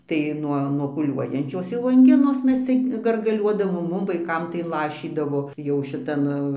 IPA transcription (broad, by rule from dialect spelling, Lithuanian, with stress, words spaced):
tɐɪ ˈnuɔ nuɔ puːˈlʲuɔjɛnʲt͡ʃʲoːs jɛʊ ɐŋʲˈɡʲɪnoːs ˈmʲɛs ˈt͡sʲɪk ɡɐrɡɐˈlʲuɔdɐʋoːm ˈmʊm ʋɐɪˈkɐm tɐɪ ˈlˠɑːʃʲiːdɐʋoː jɛʊ ʃʲɪˈtɐn